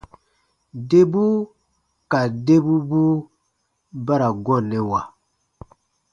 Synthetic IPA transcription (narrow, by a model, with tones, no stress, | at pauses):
de˦bu˦ | ka˨de˦bu˦bu˦ | ba˦ɾa˨ɡɔ˦˨nɛ˨wa˨